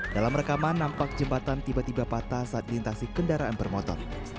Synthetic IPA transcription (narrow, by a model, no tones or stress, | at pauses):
dalamrəkamanːampak̚d͡ʒəmbat̪ant̪ibat̪ibapat̪asaat̪̚lint̪asikəndaɾaanbərmɔt̪ɔ̰n